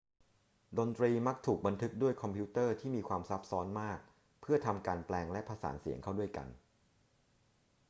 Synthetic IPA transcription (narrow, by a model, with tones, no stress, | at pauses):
do˧nt̪ɾiː˧ma˦˥k̚t̪ʰuː˨˩k̚ba˧nt̪ʰɯ˦˥k̚du˥˩əjkʰɔ˧mpʰi˦˥t̪ɤː˥˩t̪ʰiː˥˩miː˧kʰwaː˧msa˦˥p̚sɔː˦˥nmaː˥˩k̚ | pʰɯ˥˩ɐt̪ʰa˧mkaː˧nplɛː˧ŋlɛ˦˥ʔpʰa˧sa̰ː˩˦nsi˨˩˦əŋkʰa˥˩wdu˥˩əjka̰˧n